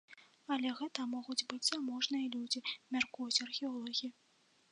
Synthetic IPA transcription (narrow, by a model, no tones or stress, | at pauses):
ɐlʲɛɣɛt̪ɐmɔɣud͡zʲbɨd͡zʲzamɔʐnɨjɐlʲud͡zʲimʲarkujut͡sʲɐrxʲɛɔlˠɔɣʲiji